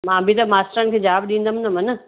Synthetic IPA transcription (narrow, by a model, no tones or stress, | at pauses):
mãːbʱit̪ɐmaːsʈɾəñɪ̆kʰeːd͡ʑaːbɗĩːnd̪əm̃nɐmɐnə